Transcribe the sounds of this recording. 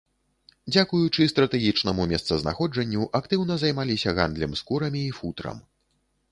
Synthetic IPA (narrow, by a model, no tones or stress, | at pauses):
d͡zʲakujut͡ʂɨst̪ɾɐt̪ɛɣʲit͡ʂnɐmumʲɛst̪sɐzna̰xɔd͡ʐɐnʲːuʔakt̪ɨwnɐzɐjmalʲisʲɐɣa̰nd̪lʲɛmskuɾɐmʲiːfut̪ɾɐ̰m